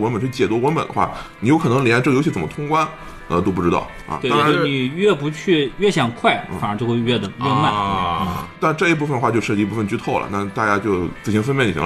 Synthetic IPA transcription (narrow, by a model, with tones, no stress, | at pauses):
wə˧˥npə˨˩nt͡ɕʰt͡ɕjɛ˨˩wɔ˥wə˧˥npə̰˨˩nd̪ə˧˦xwa̰˥˩ni˨˩jo˧˥ʊkʰɤ˨˩n˧˥ŋljʈ͡ʂjo˧ʊt͡ɕʰi˥˩t͡sə˨˩mə˦t̪ʰʊ˥ŋkwa˥n | ə̰˧t̪o˥ʊp̬u˥˩ʈ͡ʂɻ̩˥t̪ɑ̰˥˩ʊʔə̰˧˩t̪wa˥˧˥ni˨˩ɥɛ˥˩pu˧˥t͡ɕʰy˥˧ɥɛ˥˩ɕjɑ˨˩ŋkʰwa˥˩ɪfnə˧˥t͡ɕo˥˧xwɥɛ˥˩d̪ə˨˩ɥɛ˥˧ma˥˩˥t̪a˥˧nʈ͡ʂɤ˥˧i˥p̬u˥˩fə˨nd̪xwa˥˧t͡ɕjo˥˧ʊʂɻ̩ɤ˥˧˩pu˥˩fə˨nt͡ɕy˥˧t̪ʰo˥˩ʊlə̰˩na˥˩t̪a˥˧˩t͡ɕja˥t͡ɕjo˥˧ʊt͡sɹ̩˥˩t͡ɕʰi˥nfə˥npjɛ˥˩nḭ˨˩˧